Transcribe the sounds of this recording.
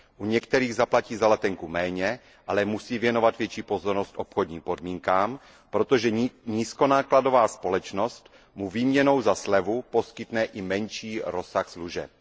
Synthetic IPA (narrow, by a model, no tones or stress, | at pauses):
ʔuɲɛkt̪ɛɾiːɣzaplaciːzalɛt̪ɛŋkumɛːɲɛ | ʔalɛmusiːvjɛno̞vat̪vjɛt͡ʃiːpozoɾnost̪ʔo̞pxod̪ɲiːmpo̞dmiːŋkaːm | pɾo̞t̪oʒɛɲiːsko̞naːklado̞vaːspo̞lɛt͡ʃno̞st̪ | muviːmɲɛno̞wzaslɛvupo̞skɪt̪nɛʔɪmɛnʃiːɾo̞saxsluʒɛ̰p̚